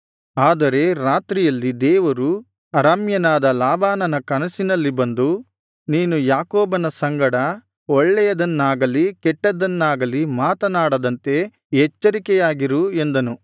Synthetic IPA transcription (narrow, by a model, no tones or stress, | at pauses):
aːd̪ɐɾe̞ɾaːt̪ɾijɐlːid̪ɛːʋɐɾu | ɐɾamjɐnaːd̪ɐlaːbaːnɐnɐkɐnɐsinɐlːibɐnd̪u | niːnujaːkoːbɐnɐsɐŋɡɐɽɐ | ɔɭːɛjɐd̪ɐnːaːɡɐlikɛʈːɐd̪ɐnːaːɡɐlimaːt̪ɐnaːɽɐd̪ɐnt̪e̞ | ɦɛt͡ʃːɐɾikɛjaːɡiɾuend̪ɐnu